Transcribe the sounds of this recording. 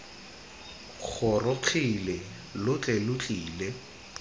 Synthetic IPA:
k͡xʰʊrʊq͡χʰilɛ | lʊt͡ɬʼɛlʊt͡ɬʼiːle

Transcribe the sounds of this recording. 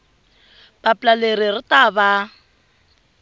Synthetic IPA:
b̥apʼlaleɾirɪtaba

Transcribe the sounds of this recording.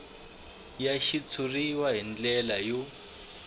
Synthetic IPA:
jaʃit͡sʰuriwaɦind͡ɮɛlaju

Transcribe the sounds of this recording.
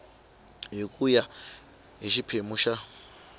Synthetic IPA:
ɦikʼuja | ɦiʃipʰemuʃa

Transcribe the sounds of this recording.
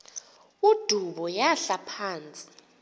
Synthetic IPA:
ud̥ʱuɓɔjaɬapʰaːnt͡sʼi̥

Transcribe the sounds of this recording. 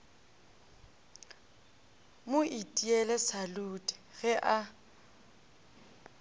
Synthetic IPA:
mʊʔitʼiɛlɛsalutʼɛ̥ɣɛʔa

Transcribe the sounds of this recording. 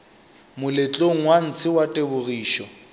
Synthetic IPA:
mʊlɪt͡ɬʼoŋ̩wan̩t͡sʰɪwatʼebʊriːʃɔ

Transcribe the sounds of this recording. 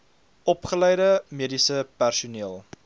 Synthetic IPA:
ɔpχəlɛjdəmiədisəpærsuniəlˠ

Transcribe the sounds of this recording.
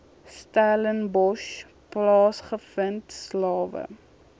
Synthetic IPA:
stæːlənbɔʃ | plɑːsχəfəntslɑːvə̰

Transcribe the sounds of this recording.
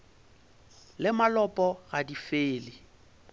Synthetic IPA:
lɪmalɔpʼɔɣadifeːlɪ

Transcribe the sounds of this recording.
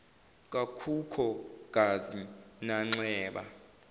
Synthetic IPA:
k̬ʼakʰukʰɔk̬ʼazinaŋ͡ǀɛːɓa̰

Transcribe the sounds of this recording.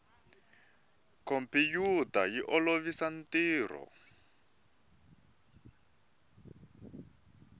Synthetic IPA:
kɔmpijutajiʔɔloβisan̩tiːrɔ̰

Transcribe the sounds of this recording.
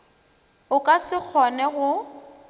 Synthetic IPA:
ʊkʼasɪk͡xʰɔnɛɣʊ

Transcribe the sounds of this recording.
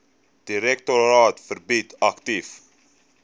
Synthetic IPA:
d̥iɾɛk̚toɾɑːtfərbitʰɐktif

